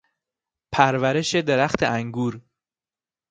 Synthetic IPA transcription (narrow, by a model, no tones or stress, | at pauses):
pʰæɾvæɾe̞ʃe̞d̪e̞ɾæxt̪ʰeʔæŋɡuːɾ